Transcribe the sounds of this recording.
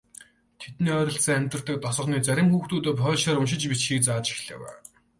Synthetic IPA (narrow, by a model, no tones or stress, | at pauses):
t̪ʰet̪niːœːɾʲɞ̆ɬsĭŋæmʲt̪rə̥̆t̪ə̆k̚t̪ɔsɞ̆χniːt͡sæɾʲɪ̆mxuːxt̪uːt̪ə̆ːpχœːɮʃaːɾʊmʃ̬ɪ̆t͡ɕpit͡ɕxiːk̚t͡saːt͡ɕi̥xɮḛːwæ̰ː